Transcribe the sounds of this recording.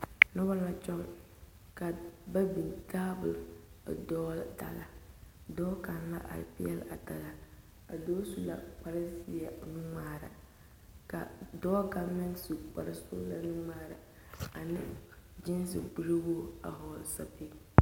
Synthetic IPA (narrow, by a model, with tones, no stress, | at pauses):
nʊ˦ba˦la˦t͡ʃɔ˦ŋ | ka˨ba˦bi˨taː˦bʊ˨ldɔː˦lda̰˨la˨dɔː˦ka˨nla̰˦ʔa̰˨lpɪ˦ɛ˦la˨ta˨la˨ | a̰˨dɔː˦su˦la̰˨k͡pa˨ɾɪ˦sɪ˨˦a˨nu˦ŋ͡maː˨ɾa̰˨ | ka̰˨dɔː˦ɡa˦mɛ˦nsu˨k͡pa˨ɾa˦sʊ˦la˦nu˦ŋ͡maː˦˨ɾa̰˨ | a˨nɪ̰˦d͡ʒɪ˦n˦sɪ̰˨ɡ͡bu˦ɾɪ˦boː˦a̰˨ɦɔ˨lsa˦pɪ˦